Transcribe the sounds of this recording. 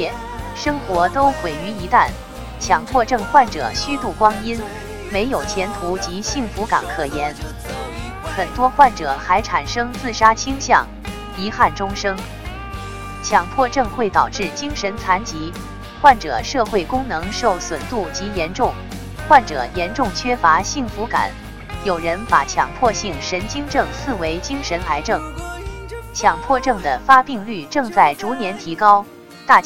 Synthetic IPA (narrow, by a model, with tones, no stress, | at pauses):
ɛ˥˩ | ʂɤ˥ŋxwɔ˧˥t̪o˥ʊxwe˨˩ɪy˧˥i˧˥t̪a˥˩n | t͡ɕʰjɑ˧˥ŋp̪ʰwɔ˥˧ʈ͡ʂɤ˥˧ŋxwa˥˩nʈ͡ʂɤ̰˨˩ɕy˥t̪u˥˩kwɑ˥ŋi˥n | me˧˥ɪjo˨˩ʊt͡ɕʰjɛ˧˥nt̪ʰu˧˥t͡ɕi˧˥ɕi˥˩ŋfu˧˥ka̰˨˩nkʰɤ˨˩jɛ˧˥n | xə˨˩nt̪wɔ˥xwa˥˩nʈ͡ʂɤ˨˩˦xa˧˥ɪʈ͡ʂʰa˨˩nʂɤ˥ŋt͡sɹ̩˥˩ʂa˥t͡ɕʰi˥ŋɕjɑ˥˩ŋ | i˧˥xa˥˩nʈ͡ʂʊ˥ŋʂɤ˥ŋ | t͡ɕʰjɑ˧˥ŋp̪ʰwɔ˥˧ʈ͡ʂɤ˥˧ŋxwe˥˩ɪt̪ɑ˨˩ʊʈ͡ʂɻ̩˥˩t͡ɕi˥ŋʂə˧˥nt͡sʰa˧˥nt͡ɕi˧˥ | xwa˥˩nʈ͡ʂɤ̰˨˩˦ʂɤ˥˧xwe˥˩ɪkʊ˥ŋnɤ˧˥ŋʂo˥˩ʊswə˨˩nt̪u˥˩t͡ɕi˧˥jɛ˧˥nʈ͡ʂʊ˥˩ŋ | xwa˥˩nʈ͡ʂɤ̰˨˩˦jɛ˧˥nʈ͡ʂʊ˥˩ŋt͡ɕʰɥɛ˥fa˧˥ɕi˥˩ŋfu˧˥ka̰˨˩˦n | jo˨˩ʊɻə˧˥npa̰˨˩t͡ɕʰjɑ̰˨˩ŋpʰwɔ˥˧ɕi˥˩ŋʂə˧˥nt͡ɕi˥ŋʈ͡ʂɤ˥˧ŋsʰɹ̩˥˩we˧˥ɪt͡ɕi˥ŋʂə˧˥nla˧˥ɪʈ͡ʂɤ˥˩ŋ | t͡ɕʰjɑ˨˩ŋpʰwɔ˥˧ʈ͡ʂɤ˥˩ŋd̪ə˩fa˥pi˥˧ŋly˥˧ʈ͡ʂɤ˥˧ŋt͡sa˥˩ɪʈ͡ʂu˧˥njɛ˧˥nt̪ʰi˧˥kɑ˥ʊ | t̪a˥˩t͡ɕ